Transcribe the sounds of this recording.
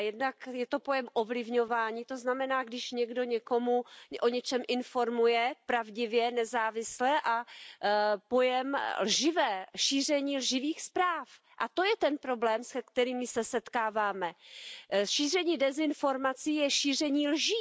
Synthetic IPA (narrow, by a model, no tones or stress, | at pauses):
jɛdnakjɛt̪o̞po̞jɛmʔovlɪvɲo̞vaːɲiːt̪o̞znamɛnaːɡdɪʃɲɛɡdo̞ɲɛko̞muʔo̞ɲɛt͡ʃɛmʔɪnfo̞ɾmujɛpɾavɟɪvjɛnɛzaːvɪslɛʔa | po̞jɛmlʒɪvɛːʃiːr̝ɛɲiːlʒɪviːxspɾaːf | ʔat̪o̞jɛt̪ɛnpɾo̞blɛːmsɛkt̪ɛɾiːmːɪsɛsɛt̪kaːvaːmɛ | ʃiːr̝ɛɲiːdɛzɪnfo̞ɾmat͡siːjɛʃiːr̝ɛɲiːlʒiː